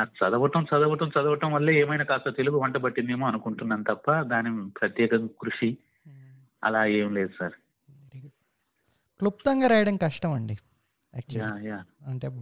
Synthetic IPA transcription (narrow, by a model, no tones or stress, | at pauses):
asɐd̪ɐʋɐʈɐmt͡ʃɐd̪ɐʋɐʈɐmt͡ʃɐd̪ɐʋɐʈɐ̃mʋɐlːeːɛːmɐjnaːkaːst̪ɐt̪e̞luɡuʋɐɳʈɐbɐʈːind̪emuːɐnukuɳʈunːɐːnt̪ɐpːɐd̪aːnipɾɐt̪jɛːkɐŋkɾuʂi | ɐ̰laːeːmleːd̪usaːɾ | klup̚t̪ɐŋɡaːɾɐjɐɽɐnkɐʂʈɐmɐɳɖi | ɛ̰ːk̚t͡ʃaːjaːɐɳʈeː